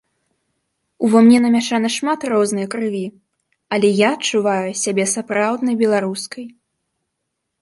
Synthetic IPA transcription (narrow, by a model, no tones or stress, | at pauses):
uvamnʲɛnɐmʲaʂanɐʂmat̪rɔznɨjɐkɾɨvʲi | ɐlʲɛjaɐt͡ʂːuvajusʲabʲɛsapɾawd̪nɐjbʲɛlˠaɾuskɐj